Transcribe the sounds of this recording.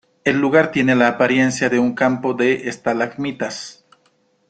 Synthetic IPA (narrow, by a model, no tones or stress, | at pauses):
e̞lːuɣaɾt̪je̞ne̞laːpaɾje̞nsjaðe̞uŋkampo̞ðe̞ʔest̪alaɣmit̪as